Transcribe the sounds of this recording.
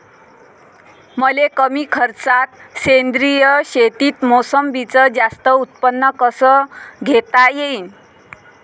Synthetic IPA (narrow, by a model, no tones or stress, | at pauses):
məlekəmiːkʰəɾt͡sat̪̚send̪ɾijəɕet̪iːt̪mosəmbit͡səd͡zast̪əut̪̚pənːəkəsəɡʱet̪ajein